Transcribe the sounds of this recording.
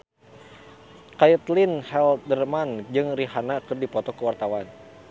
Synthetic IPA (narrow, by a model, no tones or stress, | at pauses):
kajət̪linhɛldərmand͡ʒɨŋriɦanakɨrdipɔt̪ɔkəwart̪awan